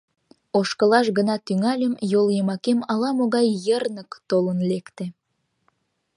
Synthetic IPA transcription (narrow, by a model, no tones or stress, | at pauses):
oʃkəlɑʃɣənɑt̪yŋɑlʲəmjoljəmɑkemɑlɑmoɣɑjːərnəkt̪olənlekt̪e